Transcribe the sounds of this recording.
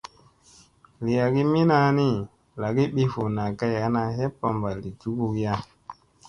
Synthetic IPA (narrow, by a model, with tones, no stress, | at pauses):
li˨ja˨ɡi˦mi˦na˦ni˦ | la˨ɡi˦ɓi˦fo˨na˨ka˦ja˨˦na˧ɦe˦pa˦mba˨li˨tu˦ku˦kja˦